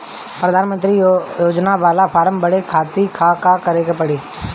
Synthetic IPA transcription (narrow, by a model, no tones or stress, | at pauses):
pɾəd̪ʱaːnmə̃nt̪ɾijoːd͡ʒnaʋaːlapʰaːɾəmbəɽekʰaːt̪ikʰaːkaːkəɾekepəɽiː